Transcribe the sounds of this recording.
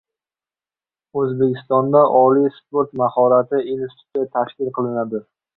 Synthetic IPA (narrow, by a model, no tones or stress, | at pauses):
ɵzbekʲɪst̪ɒnd̪aʔɒlijspoɾt̪mahɒɾat̪ʰɪinst̪ʊ̥t̪jat̪ʰaʃkʲɪlˠqʰɨlˠɪnad̪ɪ